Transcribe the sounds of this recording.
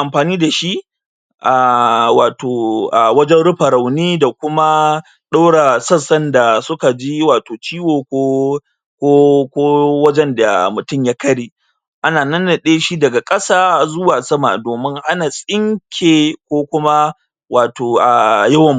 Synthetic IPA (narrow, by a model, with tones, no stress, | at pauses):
ʔa˨mɸaː˨niː˦da˨ʃi˦ʔ | ʔa˨waː˨tʰoː˨ʔa˨wɐ˦d͡ʒɛ˦nɽʊ˦ɸɐ˨ɾɐ˨wniː˦da˨kʷʊ˦ma˦ | ɗa˦wɽa˨sɐ˦sɐ˦nda˨sʊ˦ka˨d͡ʒi˦waː˨toː˨t͡ʃiː˦woː˨kʷo˦ | kʷoː˦kʷoː˦wɐ˦d͡ʒɛ˦nda̰˨mʊ˨tʊ˦˨mjaː˦kɐ˦ɽeː˨ | ʔa˦naː˨nɐ˦nːɐ˨ɗeː˦ʃi˦dɐ˨ɡa˨kʼɐ˦saː˦zʊ˦waː˨sɐ˦ma̰˨doː˨mɪ˦ŋʔa˦naː˨sʼɪ˦ŋkʲʰeː˨kʷoː˦kʷʊ˦ma˦ | waː˨toː˨ʔa˨jɐ˦wɐ˨mː˨